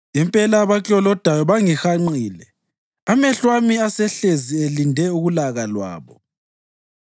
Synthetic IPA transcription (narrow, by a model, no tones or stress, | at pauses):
impʼɛlaβakʼɔlɔd̥ʱajɔβaŋixaŋ͡ǀiːlɛ | amɛɬwamiasɛɬezielindʱɛuɣulaɣalwa̰ːβɔ